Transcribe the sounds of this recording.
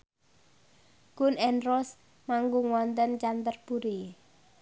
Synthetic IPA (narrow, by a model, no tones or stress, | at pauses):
ɡ̥ʊnɛnrɔs | maŋɡʊŋwɔnt̪ənt͡ʃant̪ərpuɾi